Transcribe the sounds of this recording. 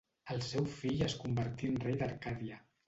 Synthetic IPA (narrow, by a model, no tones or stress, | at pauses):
əlˠsɛwfiʎəskumbəɾt̪iənrejd̪əɾkaðiə